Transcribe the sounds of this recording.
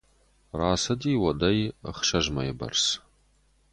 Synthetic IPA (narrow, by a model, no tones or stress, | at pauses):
raːsɨdiːwɐdɐj̰χʃɐʒmɐjɛbɐ̰rs